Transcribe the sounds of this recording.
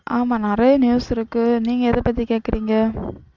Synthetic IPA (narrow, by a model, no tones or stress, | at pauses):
ʔaːmaːnɐɾɐjɐnjuːsɪɾɯkːɯniːŋɡɐɛðɐpɐt̪̬ːikeːʈkɐɾiːŋɡɐ